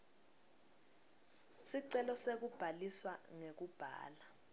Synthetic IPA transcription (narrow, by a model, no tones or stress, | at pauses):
siǀɛlɔsek̬ub̥ʱaliswaŋek̬ub̥ʱa̰ːla